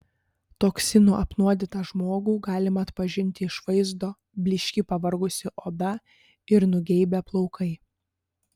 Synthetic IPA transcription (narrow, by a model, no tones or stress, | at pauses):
t̪oːksʲɪnuʔɐpnuɔd̪ʲɪt̪ɐʒmoːɡuːɡɑːlʲɪmɐːt̪pɐʒʲɪnʲt̪ʲɪɪʃʋɐɪzd̪oː | bʲlʲɪʃʲkʲɪpɐʋɐɾɡʊsʲɪʔoːd̪ɐ | ɪɾnʊɡʲɛɪbʲɛplˠɒʊkʰɐɪ